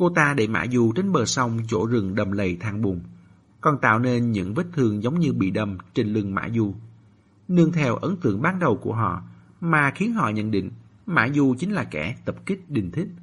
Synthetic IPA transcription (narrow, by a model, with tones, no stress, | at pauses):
ko˧t̪aː˧ɗe˧˩ma̰ː˧˥zu˨˩t͡ɕe˧nɓəː˨˩sa˧wŋ͡mt͡ɕo̰˧˥zɨ˨˩ŋɗə˨˩mlə˨˩jt̪ʰaː˧ŋɓu˨˩əŋ | kɔ˨˩nt̪a̰ː˧˨wne˧nɲɨ̰˧˥ŋvə˦˥t̚t̪ʰɨ˧əŋzə˨˦wŋ͡mɲɨ˧ɓḭ˧˨ɗə˧˩mt͡ɕe˧nlɨ˨˧˩ŋma̰ː˧˥zu˧˩ | nɨ˧əŋt̪ʰɛ˧wʔə˨˦nt̪ɨ̰˧˨əŋɓaː˧nɗə˨˩wku˧˩əɦɔ̰˧˨ | maː˨˩xi˨˦ənɦɔ̰˧˨ɲə̰˧˨nɗḭ̈˧˨ŋ̟ma̰ː˧˥zu˨˩t͡ɕï˨˦ŋ̟laː˨˩kɛ˧˩t̪ə˨˩p̚kï˦˥k̟̚ɗï˨˩ŋ̟t̪ʰï˦˥k̟̚